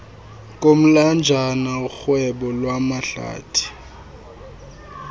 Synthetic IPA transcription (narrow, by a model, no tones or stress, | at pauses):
k̬ʼom̩land͡ʒʱanauxwɛɓɔlwamaɬa̰ːtʰʼi̥